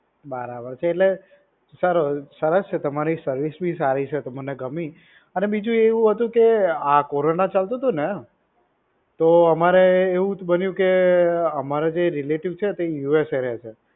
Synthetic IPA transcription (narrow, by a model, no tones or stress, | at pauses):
bəɾabəɾt͡ʃʰeːʈle | saɾosəɾəst͡ʃʰet̪əmaɾisəɾʋisbʱisaɾit͡ʃʰet̪əməneɡəmi | ənebid͡ʒũeʋũɦət̪ũkeakoɾonat͡ʃalt̪ũt̪une | t̪oəmaɾeːʋũbənjũkeəmaɾed͡ʒeɾileʈiʋt͡ʃʰet̪ejueseɾjet͡ʃʰe